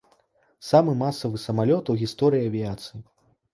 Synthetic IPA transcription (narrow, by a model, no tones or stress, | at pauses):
samɨmasɐvɨsɐmalʲɔt̪uɣʲist̪ɔɾɨjiɐvʲijat̪sɨji